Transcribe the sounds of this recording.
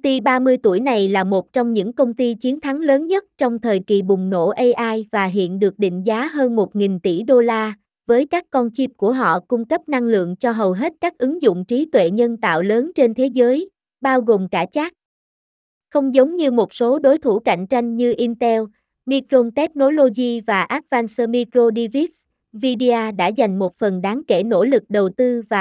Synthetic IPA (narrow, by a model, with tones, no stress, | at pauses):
t̪i˧ɓaː˧mɨ˧əjt̪u˧˩əjna˨˩jlaː˨˩mo˨˩t̚t͡ɕɔ˧wŋ͡mɲɨ̰˧˥ŋkə˧wŋ͡mt̪i˧t͡ɕi˨˦ənt̪ʰa˨˦ŋləː˨˦nɲə˦˥t̚t͡ɕɔ˧wŋ͡mt̪ʰəː˨˩jki˨˩ɓʊ˨˩ŋ͡mno̰˧˥ʔə˧jʔaː˧jvaː˨˩ɦḭ˧˨ənɗɨ˨˩ək̚ɗḭ̈˧˨ŋ̟zaː˨˦ɦəː˧nmo˨˩t̚ŋi˨˩nt̪i˧˩ɗo˧laː˧ | vəː˨˦jkaː˦˥kkːɔ˧nt͡ɕi˦˥p̚ku˧˩əɦɔ̰˧˨kʊ˧ŋ͡mkə˦˥p̚na˧ŋlɨ̰˧˨əŋt͡ɕɔ˧ɦə˨˩wɦe˦˥t̚kaː˦˥k̚ʔɨ˨˦ŋzʊ̰˧˨ŋ͡mt͡ɕi˨˦t̪wḛ˧˨ɲə˧nt̪a̰ː˧˨wləː˨˦nt͡ɕe˧nt̪ʰe˨˦zəː˨˦j | ɓaː˧wɣo˨˩mkaː˧˩t͡ɕaː˦˥k̚ | xə˧wŋ͡mzə˨˦wŋ͡mɲɨ˧mo˨˩t̚so˨˦ɗo˨˦jt̪ʰu˧˩ka̰˧˨jŋ̟t͡ɕa˧jŋ̟ɲɨ˧ʔi˧nt̪ɛ˧w | mi˧kɾo˧mt̪ɛ˦˥t̚no˧lo˧ɣi˧vaː˨˩ʔaː˦˥t̚vaː˧nsəː˧mi˧kɾo˧ɗi˧vi˦˥k̚ | vi˧ɗi˧aː˧ɗa̰ː˧˥za˨˩jŋ̟mo˨˩t̚fə˨˩nɗaː˨˦ŋke˧˩no̰˧˩lɨ˨˩k̚ɗə˨˩wt̪ɨ˧vaː˨˩